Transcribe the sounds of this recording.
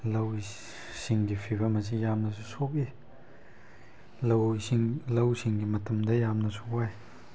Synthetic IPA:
lɐw | siŋɡipʰibɐmɐs̬ijamnɐs̬usɔpi | lɐwŋlɐwsiŋɡimɐtɐmdɐjamnɐsʰokwaj

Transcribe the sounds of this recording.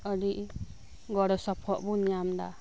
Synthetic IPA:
ɔɖiʔ | ɡɔɾɔsɔpʰɔʔbunijamd̪a̰

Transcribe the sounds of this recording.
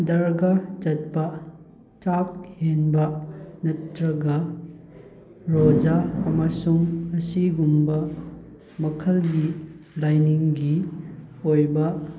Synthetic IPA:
dɐɾɡad͡ʒɐt̚pɐ | t͡ʃak̚henbɐnɐtːɾɐɡɐ | ɾod͡ʒaɐmɐsuŋɐsiɡumbɐ | mɐkʰɐlɡilajniŋɡi | ojbɐ

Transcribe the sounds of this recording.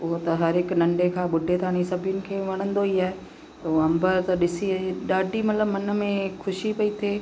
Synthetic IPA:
ʊɦot̪ɐɦɐɾɦɪknɐ̃ɳɖekʰãːɓʊɖʱet̪ʰaːɽ̃isɐbʱɪjʊnɪ̆kʰeːʋɐɽ̃ə̃nd̪oiaːɦe | t̪ɐɐ̃mbəɾt̪ɐɗɪsiiɗaːɖʱimɐt̪ləbmɐn̆mẽkʰʊʃipɐit̪ʰeː

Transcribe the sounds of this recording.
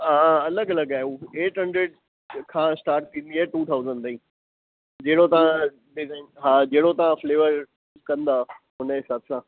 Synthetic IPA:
ɦaːɐləɡɐləɡaːeuːeːʈɦɐ̃ɳɖɾeːɖ̚ | kʰãːsʈaːɾʈ̚t̪ʰĩːnd̪iaːeʈuːt̪ʰaːʊzə̃ɳɖt̪ʰĩː | d͡ʑeːɽot̪ɐʋã | ɖɪznɦaːd͡ʑeːɽot̪ɐʋãfleːʋəɾ | kɐ̃nd̪aːɦʊnəɦeːsaːt̪ʰɪsãː

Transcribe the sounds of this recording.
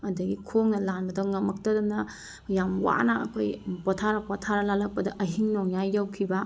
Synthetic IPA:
ɐdɐɡikʰoŋnɐlanbɐdɐŋɐmɐk̚tɐdɐmnɐ | jamwa̰nɐɐ̰kʰojpotʰaɾɐpɔtʰaɾɐlalɐk̚pɐdɐʔɐɦiŋnoŋjajːawkʰibɐ

